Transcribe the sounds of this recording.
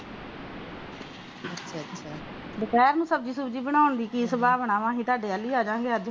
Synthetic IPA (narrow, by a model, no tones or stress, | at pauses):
ətːʃʰaːətːʃʰaː | b̪əkɛːɾnũːsəb̚d͡ʒiːsʊbd͡ʒiːbəɽ̃aːʊnd̪iːkisəbaːbəɳãːʋãːɦĩːt̪aːɖeːəlːiːaːd͡ʒãːŋɡeːəd͡ʒ